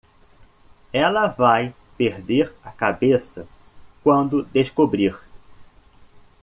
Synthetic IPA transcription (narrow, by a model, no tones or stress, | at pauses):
ɛlɐvaj | peɾd̪eɾɐkabesɐ | kwɐ̃nd̪ʊd̪eʃkobɾiɾ